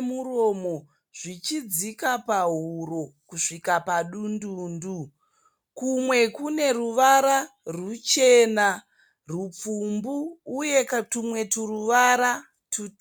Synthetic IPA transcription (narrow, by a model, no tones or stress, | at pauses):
muɾo̞ːmo̞ | ʐ̥it͡ʃid͡zikapaɦuɾo̞kuʂikapaɗunduːndu | kumwe̞kune̞ruʋaɾarut͡ʃe̞na | rup͡fumbuːjektumwe̞turuʋaɾa | tu